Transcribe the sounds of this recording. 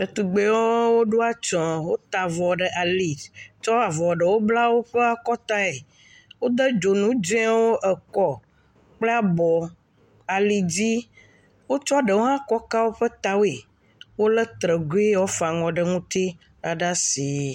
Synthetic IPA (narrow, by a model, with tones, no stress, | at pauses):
e˨t̪u˨ɡ͡be˨wɔ˦wo˦ɖo˦a˦t͡ʃɔ̃˨wo˦t̪a˨vɔ˨ɖə˨ʔa˨li˨t͡ʃɔ˦a˨vɔ˨ɖə˨wo˦bla˦wo˦ɸe˦a˦kɔ˦t̪a˦e˨ | wo˦d̪ə˦d͡ʒo˨nũ˦d͡ʒɛ̃˦wo˦ʔə˨kɔ˦ | k͡ple˦a˨bɔ˨ | a˨li˨d͡ʑi˦ | wo˦t͡ʃɔ˦ɖə˨wo˦ɦã˦kɔ˦ka˦wo˦ɸə˦t̪a˨wo˦e˨ | wo˦lɛ˦t̪ɾə˨ɡo˦e˦wɔ˦fa˨ŋɔ̃˨ɖə˨ŋũ˦t̪i˦ | nã˨ɖa˦si˨